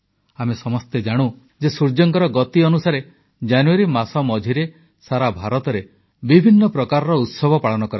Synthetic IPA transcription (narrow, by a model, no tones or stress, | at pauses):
amesɔmɔst̪ed͡ʒaɽ̃u | d͡ʒesuɾd͡ʒɔŋkɔɾɔɡɔt̪iɔnusaɾe | d͡ʒanuaɾimasɔmɔd͡ʒʱiɾe | saɾabʱaɾɔt̪ɔɾe | bibʱinːɔpɾɔkaɾɔɾɔut̪sɔbʱɔpaɭɔnɔkɔɾa